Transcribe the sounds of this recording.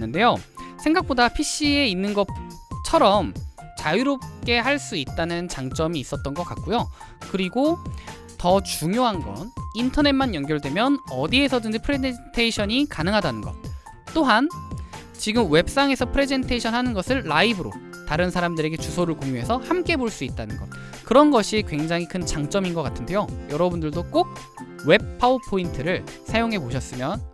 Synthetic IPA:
ɯnde̞josʰe̞ŋɡak̚p͈odapʰiɕ͈ie̞inːɯnɡʌt͡ɕʰʌɾʌmt͡ɕajiɾop̚k͈e̞haɭs͈uit̚t͈anɯnt͡ɕaŋt͡ɕ͈ʌmiːs͈ʌt̚t͈ʌnɡʌk͈a̰t̚k̚k͈ujo | kɯɾiɡo | tʌt͡ɕuŋjoɦanɡʌ̰nintʰʌne̞t̚manjʌŋɡjʌɭdwe̞mjʌnʌdie̞sʰʌdɯnd͡ʑepʰɯɾed͡ʑentʰeiɕʰʌɲikanɯŋɦadanɯnɡʌ̰t̚ | t͈oɦan | t͡ɕiɡɯmwe̞p̚s͈aŋe̞sʰʌpʰɯɾe̞d͡ʑe̞ntʰeɕʰʌnɦanɯnɡʌsʰɯɭːaibɯɾo̰ | taɾɯnsʰaɾamdɯɾe̞ɡe̞t͡ɕusʰoɾɯɭkoŋjuɦe̞sʰʌhamk͈e̞boɭs͈uit̚t͈anɯnɡʌt̚ | kɯɾʌnɡʌɕʰikwe̞ŋd͡ʑaŋɦikʰɯnt͡ɕaŋt͡ɕ͈ʌminɡʌk͈atʰɯnde̞jojʌɾʌbundɯɭdok͈ok̚ | we̞p̚pʰaupʰointʰɯɾɯɭsʰajoŋɦe̞poɕʰʌs͈ɯmjʌn

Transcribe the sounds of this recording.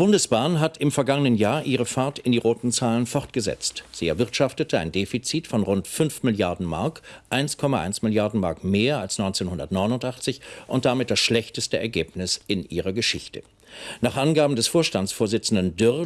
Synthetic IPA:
ib̥ʊndəsb̥aːnɦatɪmfɛɐɡaŋənənjaːɐʔiːʁ̞əfaɐtɪndiːʁoːtn̩t͡saːlənfɔʁt̚ɡ̥əzɛ̰t͡stz̥iːɛɐvɪɐtʃaftətʰəa̰ɪndeːfit͡siːtfɔnʁʊntfʏnfmɪljaɐdn̩ma̰ɐkʔaɪnskʰɔmaʔa̰ɪnsmɪljaɐdn̩maɐkmeːɐalsnɔʏnt͡seːnhʊndɐ̰tnɔʏnʊntʔaχt͡sɪçʔʊnt̚d̥amɪt̚d̥asʃlɛçtəstəɛ̰ɐɡeːpnɪsɪnʔiːʁɐɡəʃɪçtə̰ | naːχʔanɡaːbm̩dɛsfoːɐʃtant͡ssfoːɐzɪt͡sn̩dən̩dʏ

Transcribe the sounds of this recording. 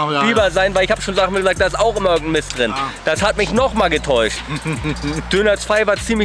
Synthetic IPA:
liːbɐzaɪnvaɪlɪçhaːbəʃoːnzaːmiːɡəzaːk̚d̥aːɪstaʊχʔɪmɐɪɐɡŋ̩tn̩mɪstd̥ʁɪnd̥ashatmɪçnɔχmaːlɡətʰɔʏʃt | d̥ønɐt͡sv̥aɪvaːɐt͡siːmlɪ

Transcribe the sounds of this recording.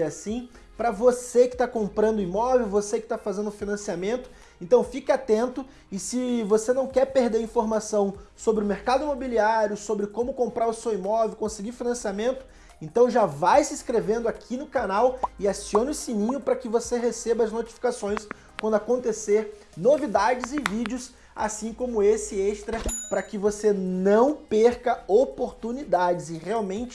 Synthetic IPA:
asĩ | pɾɐvosekɪ̥t̪akõmpɾɐ̃nd̪ʊimɔvewvosekɪ̥t̪afazẽnd̪ʊfinɐ̃siamẽnt̪ʊ̥ | ẽnt̪ɐ̃w̃fikat̪ẽnt̪ʊ | ɪsɪvosenɐ̃w̃kɛɾpeɾd̪eɾĩfoɾmasɐ̃w̃sobɾɪʊmeɾkad̪ʊimobiliaɾjʊsobɾɪkõmʊkõmpɾaɾʊsewimɔvewkõsɪɡiɾfinɐ̃siamẽnt̪ʊ̥ | ẽnt̪ɐ̃w̃ʒavajsɪskɾevẽnd̪ʊakʰinʊkanawɪasiõnʊsimĩɲʊpɾɐkɪvoseɦesebɐaznot͡ʃi̥fi̥kasõj̃s | kwɐ̃nd̪ʊakõnt̪eseɾ | novid̪ad͡ʒɪzɪvid͡ʒiʊs | a̰sĩkõmʊesɪeʃt̪ɾɐpɾɐkɪvosenɐ̃w̃peɾkɐopoɾt̪unid̪ad͡ʒɪzɪʁeawmẽnt͡ʃɪ

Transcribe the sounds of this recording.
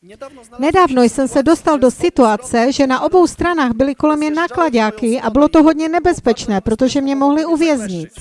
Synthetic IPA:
nɛdaːvnojsɛmsɛdo̞st̪aldo̞sɪt̪uat͡sɛʒɛnaʔo̞bo̞wst̪ɾanaːɣbɪlɪko̞lɛmɲɛnaklaɟaːkɪʔabɪlo̞t̪oɦodɲɛnɛbɛspɛt͡ʃnɛːpɾot̪oʒɛmɲɛmo̞ɦlɪuvjɛzɲɪt̪

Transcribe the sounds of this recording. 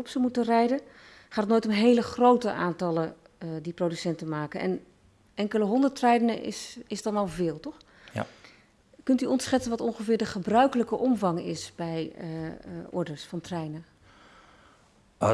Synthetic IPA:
ɔpsəmutərɛjdə | χaːtnoːjtənɦejləχrowtəʔaːntɑlə | diprodysɛntənmaːkənʔɛ̰n | ɛŋkələɦɔndəɹtrɛjdənəɪ̰sɪsdɑnɑlˠvɪːlˠtɔχ | kɵntyɔntsχɛtsənʋɑtɔŋχəvɪːɹdəχəbrœɥkələkəʔɔmvɑŋɪ̰sbɛj | ʔɔ̰ɹdəɹsfɑntrɛjnə

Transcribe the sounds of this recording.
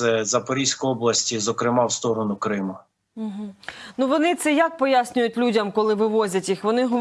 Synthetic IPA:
ɛzɐpɔɾʲisʲkɔjɔblˠɐsʲtʲizɔkɾɪmɑwst̪ɔɾɔnʊkɾɪmʊ | ɦ̩nuʋɔnɪt̪sɛjɐk̚pɔjasʲnʲʊjʊtʲlʲudʲɐmkɔlˠɪʋɪʋɔzʲɐtʲixʋɔnɪɦ

